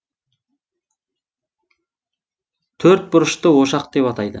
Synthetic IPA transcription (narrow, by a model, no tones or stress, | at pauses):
t̪ʰɵɾt̪̚bʊɾəʃt̪əwo̞ʃɑqd̪e̞pɑt̪ɑjd̪ə̰